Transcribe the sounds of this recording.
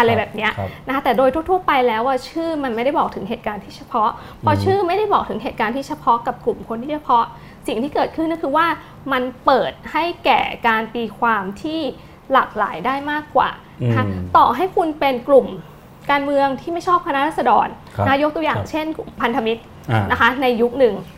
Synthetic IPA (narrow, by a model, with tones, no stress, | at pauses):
ʔa˧ɾa˧bɛː˨˩p̚ni˦˥ɐʔna˧˥kʰa˦˥t̪ɛː˨˩doː˧jt̪ʰu˥˩ət̪ʰu˥˩əpa˧jlɛː˦˥wʔaː˥˩t͡ɕʰɯː˥˩ma˧nma˥˩jɾa˥˩jbɔː˨˩k̪̚ʰɯ˩˦ŋɦeː˨˩t̪̚kaː˧nt̪ʰiː˥˩t͡ɕʰa˧pʰɔ˦˥ʔ | pʰɔ˧t͡ɕʰɯː˥˩ma˥˩jɾa˥˩jbɔː˨˩k̪̚ʰɯ˩˦ŋɦeː˨˩t̪̚kaː˧nt̪ʰiː˥˩t͡ɕʰa˧pʰɔ˦˥ka˨˩p̚klu˨˩mkʰo˧nt̪ʰiː˥˩t͡ɕʰa˧pʰɔ˦˥ʔ | si˨˩ŋt̪ʰiː˥˩kɤː˨˩t̪̚kʰɯ˥˩nː˥˩kʰɯː˧waː˥˩ | ma˧npɤː˨˩t̪̚ha˥˩jkɛ̰ː˨˩kaː˧npiː˧kʰwaː˧mt̪ʰiː˥˩ | la̰ː˨˩k̚la̰ː˩˦jdaː˥˩jmaː˥˩kːwa̰ː˨˩˦ | kʰa˦˥t̪ɔː˨˩ɦa˥˩jkʰu˧npe˧nklu˨˩m | kaː˧nmɯ˧əŋt̪ʰiː˥˩ma˥˩jt͡ɕʰɔː˥˩p̚kʰa˧na˦˥ɾʰaː˥˩sa˧dɔː˧n | a˦a˥jo˦˥t̪u˧əjaː˨˩ŋt͡ɕʰe˥˩nku˨˩mpʰa˧nt̪ʰa˧mi˦˥t̪̚ | na˦˥kʰa˦˥na˧jːu˦˥k̚nɯ˨˩ŋ